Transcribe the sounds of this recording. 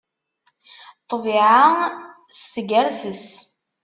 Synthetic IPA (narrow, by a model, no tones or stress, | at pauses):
t̪ˤːviʕa | sːəɡæɾsəs